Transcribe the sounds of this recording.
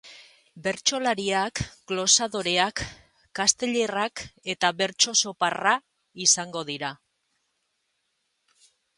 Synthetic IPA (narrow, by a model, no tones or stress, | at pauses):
be̞ɾt͡ʃo̞laɾiakɡlo̞saðo̞ɾe̞akː | ast̪e̞ʎe̞rake̞t̪aβe̞ɾt͡ʃo̞so̞para | isaŋɡo̞ðiɾa